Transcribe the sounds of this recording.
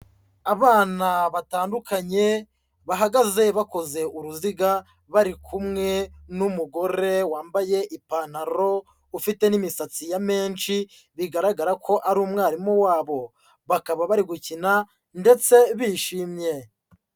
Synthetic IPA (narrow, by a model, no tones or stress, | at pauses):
aβaːnaβataːndukaɲe̞ | βaɦaɡaze̞βako̞ze̞ʔuɾuziɡa | βaɾikʰumŋe̞numuɡo̞ɾe̞waːmbaje̞ʔipanaɾo̞ | ufite̞nimisat͡sijame̞ːnt͡ʃi | βiɡaɾaɡaɾakʰo̞ʔaɾuːmŋaːɾimuwaːβo̞ | βakaβaβaɾiɡucina | nde̞t͡se̞βiːʃiːmɲe̞